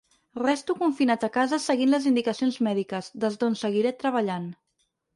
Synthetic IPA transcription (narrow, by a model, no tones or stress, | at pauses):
rɛst̪ukuɱfinat̪əkazəsəɣinləzind̪ikəsionzmɛðikəzd̪əzd̪onsəɣiɾɛt̪ɾəβəʎan